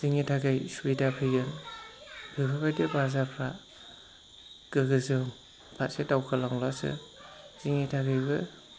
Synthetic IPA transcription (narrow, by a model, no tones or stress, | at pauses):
z̥iŋitʰaɡajswidapʰɯɡɯn | bʰɯkʰɯbajdɯbazapʰɾa | ɡ̥ɯɡɯzɯŋ | pʰat̚sedawkʰɯlaŋlɔsɯ̰ | z̥iŋetʰaɡajbɯ